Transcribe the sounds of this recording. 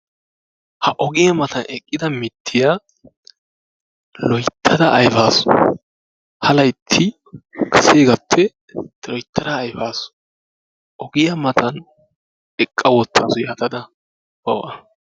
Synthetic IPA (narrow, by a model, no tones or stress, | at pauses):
hɐʔɔɡɪjɐmɐt̪ʰɐnʔɛkʼːɪd̪ɐmɪt̪ʰːɪja | lɔjt̪ʰːɐd̪ɐʔːjfaːsʊ̥ | hɐlɐjt̪ʰːɪ | kɐseːɡɐpʰːɛ | t̪lɔjt̪ʰːɐɾaːjfaːsʊ̥ | ʔɔɡɪjɐmɐt̪ʰɐn | ɛkʼːɐwɔt̪ʰːaːsʊjaːt̪ɐd̪ɐ | bɐwɐ